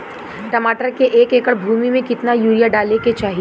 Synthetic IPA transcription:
ʈɐmaːʈəɾkeʔeːkeːkəɾbʱuːmimẽkɪt̪najuːɾijaɖaːleket͡ʃaːɦi

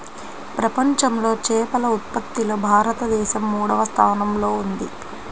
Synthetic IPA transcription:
pɾɐpɐɲt͡ʃɐmlo̞ːt͡ʃɛːpɐlɐut̪̚pɐt̪ːiloːbʱaːɾɐt̪ɐd̪ɛːʃɐmːuːɽɐʋɐst̪ʰaːnɐmlo̞ːund̪i

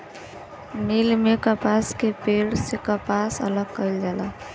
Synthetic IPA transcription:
nilmekəpaskepeɽsekəpasə̰ləɡ̚kəjld͡ʒala

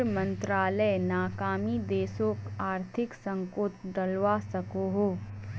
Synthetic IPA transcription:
mə̃nt̪ɾaːlənaːkaːmid̪eːsõkaːɾt̪ʰɪksə̃ŋkoːt̪ɖɐlʋasɐkoɦoː

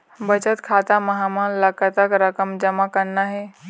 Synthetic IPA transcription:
bət͡ʃət̪kʰat̪aməɦamanləkət̪akɾəkəmd͡ʒəmakənnaɦe

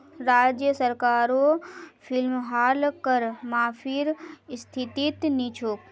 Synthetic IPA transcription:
ɾaːd͡ʒjəsəɾkaːɾopʰɪlmɦaːlkəɾmaːpʰiɾst̪ʰit̪it̪nit͡ʃʰok

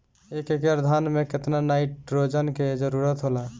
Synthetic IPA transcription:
ekekeəɾd̪ʱanmẽkɪt̪nanaɪʈɾod͡ʒənked͡ʒəɾuɾət̪ɦola

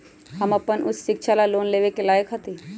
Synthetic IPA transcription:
ɦɐmɐpənʔʊsːɪkʃʰalaloːnleːʋekelaːjəkɦət̪i

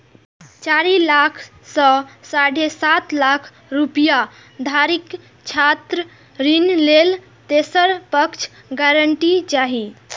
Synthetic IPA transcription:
t͡ʃaɾilakʰ | sə̃saɽʱesat̪lakʰ | ɾupija | d̪ʱaɾik | t͡ʃʰat̪ɾə | ɾinlel | t̪esəɾpəkt͡ʃʰ | ɡaɾəɳʈid͡ʒaɦi

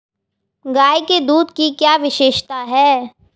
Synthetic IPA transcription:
ɡaːjked̪uːd̪kikjaːʋɪʃeːʃt̪aɦɛː

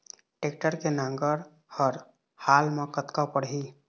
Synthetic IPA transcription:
ʈeːk̚ʈəɾkenãŋɡəɾ | həɾ | haːlmãkət̪kapəɽɦi

